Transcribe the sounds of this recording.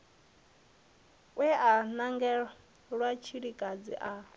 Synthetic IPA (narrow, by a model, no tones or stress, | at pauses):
wɛʔanaŋɡɛ | ɺwat͡ʃʰiɺikʼad͡zḭʔa